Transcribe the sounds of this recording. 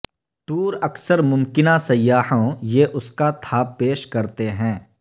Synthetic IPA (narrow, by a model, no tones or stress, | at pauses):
ʈuːɾɐksəɾmʊmkɪnasɐjːaːhõjeʔʊskat̪ʰaːpːeːʃkɐɾt̪eɦɛ̃ː